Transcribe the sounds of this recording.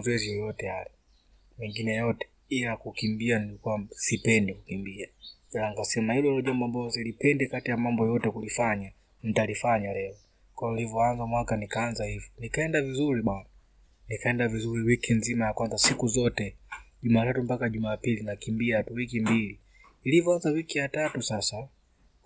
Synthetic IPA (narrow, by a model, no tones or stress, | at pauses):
zwɛzijjɔtɛalɛ | mɛŋɡinɛjɔtɛ̥ | ilakukimbianilikuasipɛndikukimbiakɛlaŋikasɛmahilɔlɔʄambɔambalɔzilipɛndɛkatijamambɔjɔtɛkulifaɲa | n̩talifaɲalɛɔ | kwajɔilivɔanzamwakanikaːnzahivjɔnikaɛndavizuɾiɓana | nikaɛndavizuɾiwikinzimajakwanzasikuzɔtɛʄumaːtatumpakaʄumapilinakimbiatuwikimbili | ilivɔanzawikijatatusasa